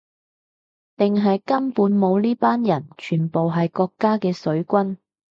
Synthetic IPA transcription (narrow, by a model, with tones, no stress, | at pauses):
t̪ɪ˨ŋɦɐ˨jkɐ˥mpuː˨˥nmo˨˧wliː˥paː˥njɐ˨˩nt͡ʃʰyː˨˩npo˨wɦɐ˨jkɔː˧kːaː˥kɛː˧sɵ˨˥ɥkʷɐ˥n